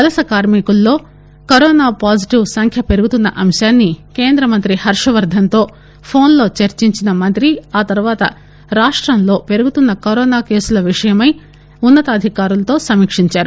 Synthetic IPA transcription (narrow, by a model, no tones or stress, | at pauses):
kɐlɐsɐkaːɾmikulːo̞ː | kɐɾɔːnaːpaːsiʈiwsɐŋkʰjɐpe̞ɾuɡut̪unːɐʔɐmʃaːnːike̞ːnd̪ɾɐmɐnt̪ɾihɐɾʂɐʋɐɾd̪ʱɐnt̪o̞ː | pʰo̞ːnlo̞ːt͡ʃɐɾt͡ʃiɲt͡ʃinɐmɐnt̪ɾiaːt̪ɐɾuʋaːt̪ɐ̰ | ɾaːʂʈɾɐmlo̞ːpe̞ɾuɡut̪unːɐkɐɾɔːnaːke̞ːsulɐʋiʂɐjɐmɐj | unːɐt̪ɐd̪ʱikaːɾulɐt̪o̞ːsɐmiːkʂiɲt͡ʃaːɾu